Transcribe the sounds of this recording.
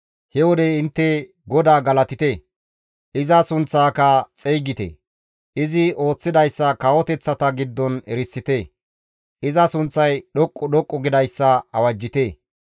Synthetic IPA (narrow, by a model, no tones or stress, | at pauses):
hɛwɔd̪ɛɪnt̪ːɛ | ɡɔd̪aːɡɐlɐt̪ɪt̪e | ʔɪzɐsʊnt͡sːaːkɐt͡sʼejɡɪt̪ḛ | ɪzɪo̞ːt͡sːɪd̪ɐjsːɐkɐwɔt̪ɛt͡sːɐt̪ɐɡɪd̪ːɔnɛɾɪsːɪt̪eː | ʔɪzɐsʊnt͡sːɐjɗɔkʼːɔɗɔkʼːɔɡɪd̪ɐjsːɐɐwɐd͡ʒːɪt̪eː